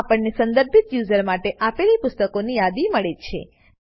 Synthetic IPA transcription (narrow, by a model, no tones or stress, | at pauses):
apəɳnesənd̪əɾbʱit̪juzəɾmaʈeʔapelipʊst̪əkonijad̪iməɭet͡ʃʰḛ